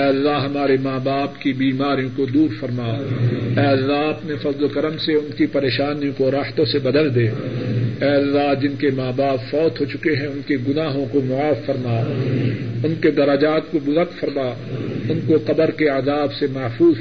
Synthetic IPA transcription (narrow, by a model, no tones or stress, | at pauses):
ɛːɐlːaɦɦɐmaːɾemaːbaːpkibiːmaːɾijõkod̪uːɾfɐɾmaːɛːɐlːaɐpnefɐzlokɐɾəmseʊnkipɐɾeːʃaːnijõkoɾaːht̪õsebɐd̪əld̪eːɛːɐlːaɦd͡ʒɪnkemaːbaːpfɔːt̪ɦot͡ʃʊkeɦɛ̃ʊnkeɡʊnaːɦõkomʊaːfːɐɾmaː | ʊnked̪ɐɾəd͡ʒaːt̪̚kobʊzəɾkfɐɾmaː | ʊnkoqɐbəɾkeazaːbsemɐːfuːz